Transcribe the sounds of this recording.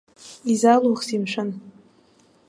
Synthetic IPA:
izaluχsimʃʷan

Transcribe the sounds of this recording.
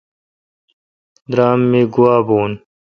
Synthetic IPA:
d̪ɾaːmːiːɡuwaːboːn

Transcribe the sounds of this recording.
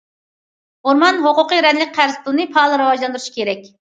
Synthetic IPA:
hoɾmɑnɦoqʊqəɾɛnlɪk̚ʲqʰæɾzp̪ʰlˠɨnɨpʰɑlˠɨɾɨwɑʒlˠɑnd̪ɾuʃi̥kʲeɾɛk̚ʲ

